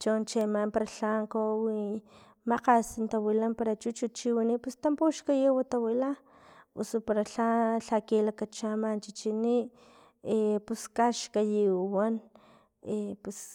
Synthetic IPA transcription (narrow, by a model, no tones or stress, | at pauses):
t͡ʃont͡ʃemampaɾaɬaŋkowi | maqasint̪awilampaɾat͡ʃut͡ʃut͡ʃiwiniʔpust̪ampoʃkajiwat̪awila | ṵsupaɾaɬaɬakilakat͡ʃamant͡ʃit͡ʃiniʔ | epuskaʃkajiwan | epus